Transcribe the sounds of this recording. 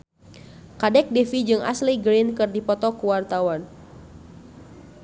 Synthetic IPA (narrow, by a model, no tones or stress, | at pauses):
kadɛk̚defid͡ʒɨŋʔa̰sliɡɾinkɨrdipɔt̪ɔkuwart̪awan